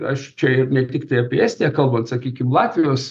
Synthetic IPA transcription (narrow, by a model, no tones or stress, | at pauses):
ɐʃt͡ʃʲɛɪrnʲɛt̪ʲɪkt̪ɐɪɐpʲiɛæːsʲt̪ʲeːkɐlˠbɐnt̪sɐkʲiːkʲɪmlˠɑːt̪ʲʋʲɪjoːs